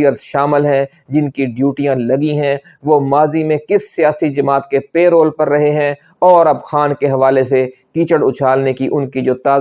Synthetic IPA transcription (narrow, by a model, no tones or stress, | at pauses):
əɾzʃaːmɪlɦɛ̃ | d͡ʒɪnkiɖjuːʈijãlɐɡiɦɛ̃ | ʋoːmaːzimẽkɪsːijaːsid͡ʒɐmaːt̪̚kepeːɾoːlpɐɾːɐɦeɦɛ̃ | ɔːɾɐbxaːnkeɦɐʋaːlesekiːt͡ʃəɽʊt͡ʃʰaːlnekiʔʊnkid͡ʒoːt̪aː